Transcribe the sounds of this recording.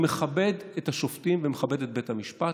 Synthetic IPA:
meχabe̞dethaʃoftimvemeχabe̞det̚bethamiʃpa

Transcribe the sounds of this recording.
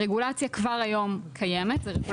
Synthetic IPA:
ʁeɡulat͡sjakvaʁajo̞mkʰajeme̞t̪zeʁeɡu

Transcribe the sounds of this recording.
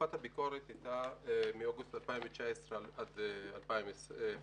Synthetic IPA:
at̪habiko̞ʁet̪ajt̪amioɡust̪alpaimvet͡ʃaesʁead̪ealpaimese

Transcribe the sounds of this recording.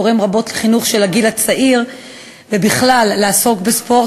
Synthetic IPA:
oʁimʁabo̞tleχinuχʃe̞laɡilat͡saʔiʁ | vebiχlalːeaso̞kbespo̞

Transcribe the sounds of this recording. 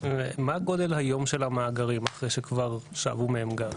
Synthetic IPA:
emaɡo̞d̪e̞lhajo̞mʃe̞lamaːɡaʁimaχʁejʃekvaʁʃa̰a̰vumeemɡa

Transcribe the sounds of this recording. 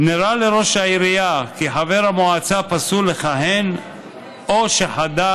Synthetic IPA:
niɾaleɾo̞ʃhaiɾijakiħaveɾhamoʕat͡sapasuleχaɦen | ʔoʃeħad̪a

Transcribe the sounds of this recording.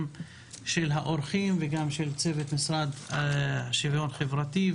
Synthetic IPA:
m | ʃelɦaʔoɾχimveɡamʃe̞lt͡se̞vet̪misʁad̪ | aʃivjo̞nχevʁat̪i

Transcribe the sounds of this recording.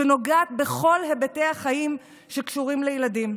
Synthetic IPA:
eno̞ɡaːt̪be̞χo̞lɦebete̞aχajim | ʃe̞kʃuʁimlejladim

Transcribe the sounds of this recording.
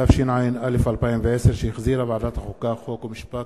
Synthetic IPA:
afʃinʕajɪnʔalefʔalpaːimveʕeseɾʃejɪxziɾabaʕd̪at̪haxokːaxokwmɪʃpak

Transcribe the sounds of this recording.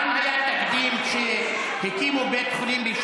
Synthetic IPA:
mhajat̪akd̪imʃe | hekimubet̪χulimbiʃ

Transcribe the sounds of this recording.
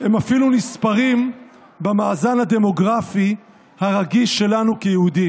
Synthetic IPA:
hemafilunispaʁim | bemaːzanhad̪e̞mo̞ɡʁafi | haʁaɡiʃe̞lanukejehud̪i

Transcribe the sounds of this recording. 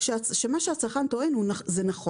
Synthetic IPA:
ʃeaʃemaʃeat͡saχant̪oenhunazenaχo

